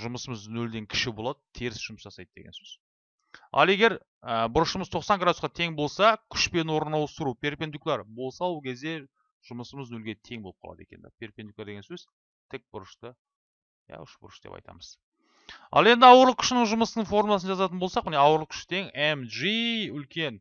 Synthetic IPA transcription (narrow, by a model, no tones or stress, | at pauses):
ʒʊməsəməznɵld̪e̞ŋkʲʰɪ̥ʃɪbo̞lˠɑd̪ət̪ʰeɾɪsʒ̥ʊməsʒɑsɑjd̪əd̪eɡʲensɵz̥ | ɑ̰lˠe̞ɡʲe̞ɾ | əbʊɾəʃəməzt̪ʰo̞qsɑŋɡɾad̪usqɑt̪ʰe̞ŋbo̞lˠsɑkʲʰʏ̥ʃpe̞nwo̞ɾnɑwəst̪ɾupʲʰe̞ɾpʲend̪uklˠɑɾbo̞lˠsɑwkʲʰe̞zd̪e̞ | ʒ̥ʊməsəməznɵlɡʲe̞t̪ʰe̞ŋbo̞lˠəp̚qʰɑlˠɑd̪ḛkʲḛnd̪ɑ̰pʰʲe̞ɾpʲe̞nd̪uklɑɾd̪eɡesɵz | t̪ʰɪk̚bʊɾəʃt̪ə | jæ̰ʊʃbʊ̰ɾəʃd̪ḛpɑ̰jt̪ɑ̰məz̥ | ɑ̰lˠe̞nd̪ɪɑwəɾlˠəkʲʰʏ̥ʃɪnɪɴʒʊməsənəɴfo̞rmulˠɑs̬ənʒɑzɑt̪ənbo̞lˠsɑqmɪneɑwəɾlˠəkʰʲʏ̥ʃt̪ʰe̞ŋemʒiʏlkʲe̞n